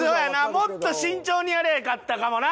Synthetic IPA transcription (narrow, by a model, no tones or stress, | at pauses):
oːjanaːmo̞t̪ːo̞ɕĩɲt͡ɕo̞ːɲ̟iaɾeakat̪ːakamo̞na